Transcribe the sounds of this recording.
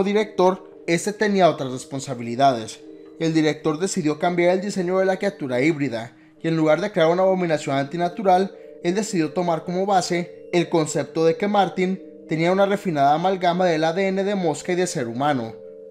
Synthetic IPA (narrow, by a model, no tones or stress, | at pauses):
oðiɾe̞k̚t̪o̞ɾ | e̞st̪e̞t̪e̞niao̞t̪ɾazre̞spo̞nsaβ̞iliðaðe̞s | e̞ld̪iɾe̞k̚t̪o̞ɾðe̞siðjo̞kambjaɾe̞ld̪ise̞ɲo̞ðe̞lakɾiat̪uɾaiβɾiða | ie̞nluɣ̞aɾðekɾe̞aɾunaðo̞mĩnasjo̞nant̪inat̪uɾal | e̞ld̪e̞siðjo̞t̪o̞maɾko̞mo̞βase̞ː | lko̞nse̞p̚t̪o̞ðe̞ke̞maɾt̪in | t̪e̞niaunare̞finaðamalɣamaðe̞laðeene̞ðe̞mo̞skaiðe̞lseɾumãno̞̰